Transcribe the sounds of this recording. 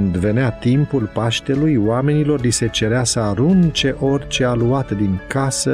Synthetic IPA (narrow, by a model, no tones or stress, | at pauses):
nd̪ve̞neat̪impulpaʃt̪e̞lujwame̞nilo̞rlise̞t͡ʃe̞ɾeasəaɾunt͡ʃe̞ʔo̞rʲt͡ʃe̞aluat̪d̪iŋkasə